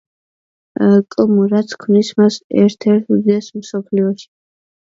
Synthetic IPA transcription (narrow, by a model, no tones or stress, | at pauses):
kʼmuɾat̪sʰkʰmnismasɛ̰ɾt̪ʰɛɾt̪ʰud̪ɛsmsɔpʰliɔʃi̥